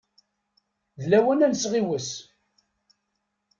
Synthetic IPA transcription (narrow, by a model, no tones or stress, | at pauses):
ðlæwænænsʁiwəs